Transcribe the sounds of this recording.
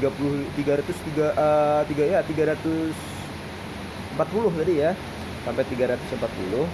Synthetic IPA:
ɡapulʊht̪iɡaɾat̪ʊst̪iɡaət̪iɡajat̪iɡaɾat̪ʊs | əmpat̪̚pulʊht̪adija | sampɛt̪iɡaɾat̪ʊ̥səmpat̪̚pṵlʊh

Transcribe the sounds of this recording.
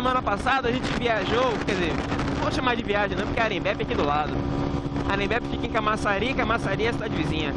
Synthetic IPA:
emɐ̃nɐpasad̪ɐʒẽt͡ʃɪviaʒokɛzevoʃamaɾd͡ʒɪviaʒẽnɐ̃wpʊɾkeaɾẽbɛpɪakid̪ʊlad̪ʊ | aɾẽbɛpɪkiakĩkamasaɾiɐkɐmasaɾiɐsid̪ad͡ʒɪvizĩɲɐ

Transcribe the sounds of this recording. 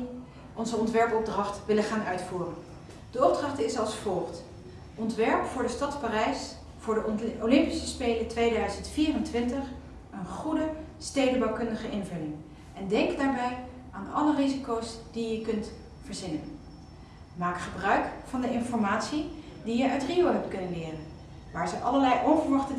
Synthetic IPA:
ʔɔnzəɔntʋɛɹpɔb̚drɑχtʋɪləχaːnœɥtfuːrən | d̥əɔb̚drɑχtɪsɑlˠsfɔlˠχt | ʔɔntʋɛɹpfʊːɹdəstɑtparɛjs | v̥ʊːɹdəolɪmpisəspejlətʋejdœɥzəntfiːrəntʋɪntəχ | ənχudə | stejdəbɑwkɵndəχəʔɪnvɵlɪŋ | ɛndɛŋkdaːɹbɛj | aːndəɑlərizikowsd̥ijəkɵnt | fəɹzɪnən | maːkχəbrœɥkfɑndəʔɪnfɔɹmaːtsi | dijəœɥtriowɦɛp̚tkɵnənlɪːrən | ʋaːɹzəʔɑləlɛjʔɔwvəɹʋɑχtə

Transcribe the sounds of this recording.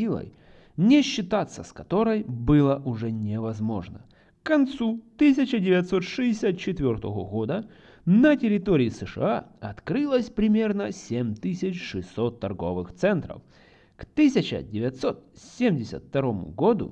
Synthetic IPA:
ilˠə̰j | nʲɪɕːɪt̪at̪sːəskɐt̪o̞ɾəjbɨlˠəʔʊʐɛnʲɪvɐzmo̞ʐnə̰ | kkɐnt̪sut̪ɨs̬ʲɪt͡ɕədʲɪvʲɐt̪so̞t̪ʂɨdʲɪsʲat̪̚t͡ɕɪt̪vʲo̞rt̪əvəɣod̪ə | nətʲɪɾʲɪt̪oɾʲɪːsɨʂɨ̰aɐt̪kɾɨlˠəsʲpɾʲɪmʲe̞rnəsʲemʲt̪ɨsʲɪt͡ɕʂɨsːot̪ːɐrɡo̞̰vɨxt̪sɛnt̪ɾə̰f | kt̪ɨsʲɪt͡ɕə̰dʲɪvʲɐt̪so̞t̪sʲemʲdʲɪsʲə̰t̪ft̪ɐɾo̞mʊ̰ɡo̞d̪ʊ̰

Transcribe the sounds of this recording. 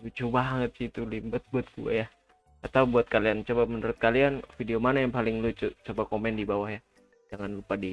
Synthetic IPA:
lut͡ʃubaŋət̪̚sit̪ulimbət̪̚buat̪̚ɡua̰ja | at̪aubuat̪̚kaliant͡ʃobamənuɾʊt̪̚kalianfideomanajaŋpalɪŋlut͡ʃut͡ʃobakomɛndibawahja | d͡ʒaŋanlupadi

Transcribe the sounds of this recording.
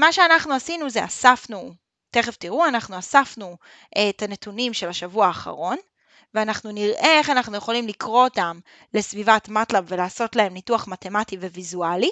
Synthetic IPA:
maʃeanaχnuasinuzea̰safnu | te̞χeftiʁuanaχnuasafnu | ʔetane̞tunimʃe̞laʃavuaːχa̰ʁo̞n | veanaχnuniʁʔeeχanaχnuje̞χo̞limlikʁo̞otam | le̞svivatmatlabvelaːso̞tlae̞mnituaχmate̞mativevizuali

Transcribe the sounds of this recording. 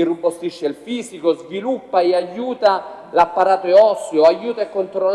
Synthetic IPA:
irupːost̪iʃːeilfiːsikozvilupːaeajːuːt̪alapːaɾaːt̪oɛɔsjoajːuːt̪aekːont̪ɾol

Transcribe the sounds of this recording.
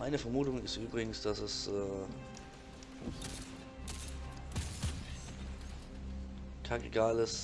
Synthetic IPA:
aɪnəfɛɐmuːtʊŋɪstʔyːbʁɪɡŋ̩sd̥asɛsʔɛː | kʰaɡiɡaːləs

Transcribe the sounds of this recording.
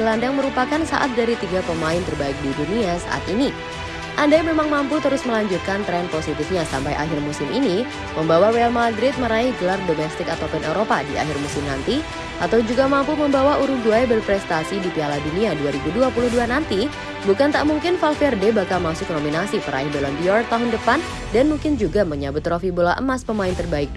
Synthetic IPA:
ɡəlandaŋməɾupakansa̰ʔa̰t̪̚daɾit̪iɡapəmaɪnt̪ərbaɪk̚diduniasa̰ʔa̰t̪ini | ʔandajmemaŋmamput̪əɾʊsməlaɲd͡ʒut̪̚kant̪ɾɛnposit̪ɪfɲasampajʔa̰ɦɪrmusɪmini | məmbawawɛalmadɾɪt̪̚məɾaɪhɡəlardomɛst̪ɪkat̪owpɛnewɾopadia̰ɦɪrmusɪmnant̪i | ʔat̪awd͡ʒuɡamampuməmbawauɾʊhduajbərpɾɛst̪asidipialaduniaduaɾibuduapulʊhduanant̪i | bukant̪aʔmuŋkɪnfalfɛrdebakalmasʊk̚nominasipəɾa̰ɪhdolambiɔrk̚t̪aɦʊndəpan | danmuŋkɪnd͡ʒuɡaməɲabʊt̪ːɾofibula̰ʔə̰maspəmaɪnt̪ərbaɪk̚

